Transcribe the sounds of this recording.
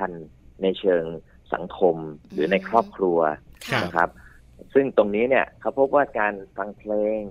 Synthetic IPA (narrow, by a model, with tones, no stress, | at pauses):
a˧nːa˧jt͡ɕʰɤː˧ŋ | sa̰˩˦ŋkʰo˧mɾɯː˩˦na˧jkʰɾɔː˥˩p̚kʰɾu˧ɐna˦˥kʰɾa˦˥p̚ | sɯ˥˩ŋt̪o˧ŋniː˦˥ni˥˩ɐkʰa˦˥wpʰo˦˥p̚waː˥˩kaː˧nfa˧ŋpʰleː˧ŋ